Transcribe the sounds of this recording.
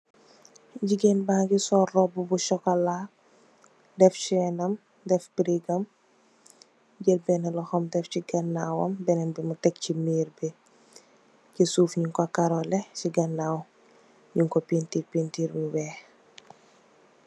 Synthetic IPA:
ɟiɡɛnbaːŋɡisɔːrːɔbubuʃɔkɐlaː | dɛft͡ʃɛnɐm | dɛfbɾiɡɐm | ɟəlbɛnɛlɔxɔmdɛfciɡɐnːawɐ̰mbɛnɛnbimutɛk̚cimiːɾbɛ | cisuːfɲuŋkɔakaɾɔlɛciɡɐnːaw | ɲiŋkɔpintipintiːɾmiwɛː

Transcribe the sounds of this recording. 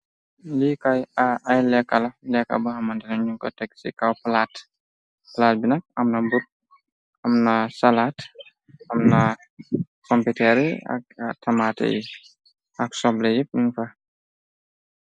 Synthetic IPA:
likajaajlɛkːɐlɐlɛkːa̰buhɐmɐntɛnɐɲuŋkɔ̰tɛkːsḭkawplaːt | plaːt̚binɐk̚ɐmnɐmbut̚ | ɐmnɐsalaːt | ɐmnɐ | kɔmpitɛɾiɐ̰k̚tʰɐmatɛ̰jḭ | ʔɐksɔblɛjip̚niŋfa

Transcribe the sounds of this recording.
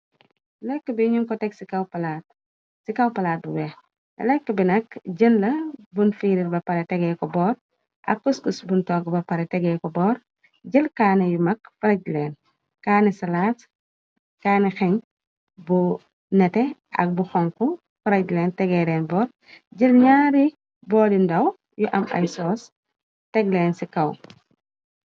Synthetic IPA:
lɛkːəbiɲuŋkɔtɛɡsikawpɐlat̚ | sikɐwpɐlaːt̚bubɛ | ɐ̰lɛkːəbinɐkɟənlɐbunfiɾiɾbɐpɐɾɛtɛɡɛkɔbɔːɾ | ʔɐ̰kːuskusbuntɔːɡbɐpɐɾɛtɛɡɛːkɔbɔːɾ | ɟəlkaːnɛjumɐkfɐɾɐɟlɛːn | kaːnɛsɐlaːt | kaːnɛxɛɲ | bu | nɛtɛɐ̰k̚buxɔŋkɔ | fɐɾɐɟlɛːntɛɡɛɾɛːnbɔːr | ɟəlɲaːɾi | bɔːdindɐw | juʔɐmɐ̰jsɔːs | tɛɡlɛːnsikɐw

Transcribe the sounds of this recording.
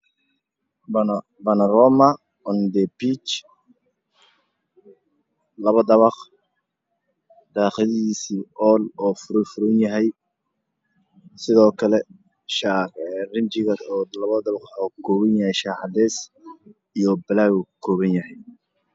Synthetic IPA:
bɐnɐrɔːmɐ | ɔnd̪ɛbit͡ʃ | lɐβɐd̪ɐβɑq | d̪̥aːqɪðɐiːsiːʔɔːlɔːfʊɾfʊɾʊnjɐɦɛj | sɪðɔːkʰɐlɛ | ʃaɛrɪnt͡ʃɪɣɐdɔːlɐβɐd̪ɐβɑqɔkʰɔːβɐnjɐhɛjʃaːħɑd̪ɛːs | ijɔbɐlaːɣukʰɔːβɐnjɐɦɛj

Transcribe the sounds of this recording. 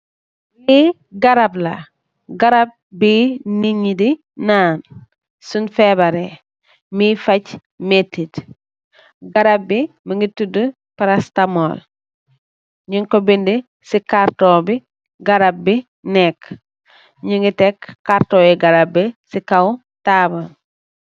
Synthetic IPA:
li | ɡaɾabla̰ | ɡaɾab̚biniɲidi | naːn | sunfebaɾe | mifac | metːit | ɡaɾabːi | miŋɡitudu | paɾastamol | ɲiŋkobindi | sikaɾtobi | ɡaɾab̚bi | nɛk | ɲiŋɡitekːaɾtoiɡaɾabːisikaw | taːban

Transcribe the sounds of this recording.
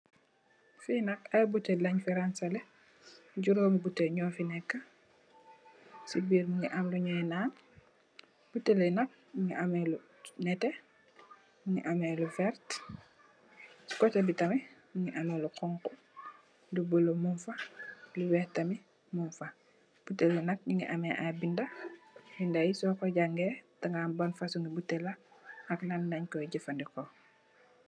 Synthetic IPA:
finɐkajbutːelaɲfeɾansale | ɟuɾoːmibuteɲɔːfinɛkːa | sibiːɾmuŋiʔamluɲɛjnaːn | b̥utːelenɐk̚ | muŋiʔamelu | nɛte | muŋiʔamelufɛɾt | si̥kɔtebitɐmiɲiŋiʔameluqɔŋku | dubulomunfɐluwɛtɐmi | mumfa | b̥utelenɐk̚ɲiŋɡiʔameʔabindɐbindajisɔkɔɟaŋɡɛtaŋɡabonfasuŋɡibutelaɐknanːɐɲkɔɟifandikɔ

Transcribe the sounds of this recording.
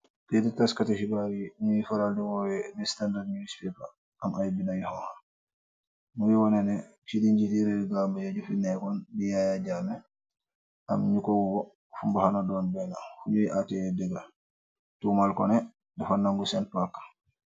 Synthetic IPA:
tɛdɛtaskataʃiɡaɾiɲujifaɾaldiwɔwɛnɛstandadnuispɛpa | ʔamʔajbinajihɔha | muwiwɔnɛnɛ | t͡ʃidiɲd͡ʒidiɾɛdɡambajad͡ʒufinɛkɔndijajad͡ʒamɛ | ʔa̰mɲukɔwuɡɔ | fumbahanɔdɔnbɛnahuɲuiʔatɛjɛdɛɡa | tumalkɔ̰nɛ | dɛfanːaŋɡusɛnpakːḁ

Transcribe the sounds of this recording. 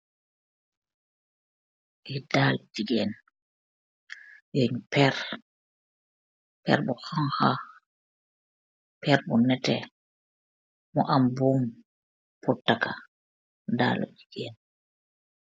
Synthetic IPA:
ʔɛdalɔd͡ʒiɡɛn | joɲpɛɾ | pɛ̰ɾɓɔhɔŋha | pɛɾɓɔnɛtɛ | mɔʔambum | putːaka | da̰ːlɔ̰d͡ʒiɡɛn

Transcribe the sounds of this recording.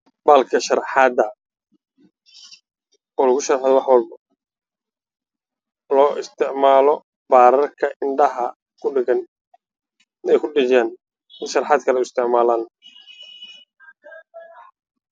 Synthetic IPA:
baːlkʰɐʃɐrħɑːd̪ɐ | ɔːlɐɣʊʃɐrħaðɔwɑħwɔlbɐ | lɔːʔɪst̪ʰɪʕmaːlɔ | baːɾɐrkʰɐʔɪɳɖɐɦɐ | kʰʊɐn | ɛjkʰʊɖɪd͡ʒaːn | ɪnʃɐrħɑːd̪̚kʰɐlɛʊɪst̪ʰɪʕmaːlaːn

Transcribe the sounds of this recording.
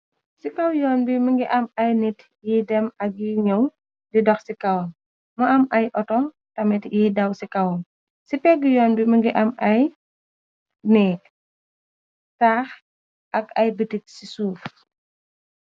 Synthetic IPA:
sikɐwjɔːnbiməŋɡiʔɐmɐjnit | jiːdɛmɐk̚jiɲɔw | didɔxsikɐwɐm | mɐɐmʔɐjʔɔtɔ | tɐmitjiːdɐwsikɐwɐm | sipɛɡujɔːnbiməŋɡiʔɐmɐj | nɛːk̚ | taːx | ʔɐkɐjbətik̚sisuːf

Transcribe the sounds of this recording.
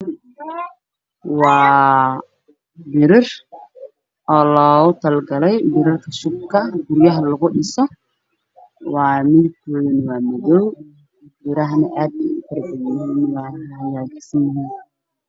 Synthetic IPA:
wɑː | bɪɾɪr | ʔɔːlɔːʊt̪ʰɐlɡɐlɛjbɪɾɪrkʰɐʃʊb̚kʰɐɡʊɾjɐɦɐlɐɣʊɗɪsɔ | wɑːmɪðɪb̚kʰɔːðɐnwɑːmɔðɔw | bɪɾɐɦnɐʔaːd̪̚ɛʊkʰɐrbɐɣɪnɪnɐwaːhɐjaːɡsɐnjɪɦiːn

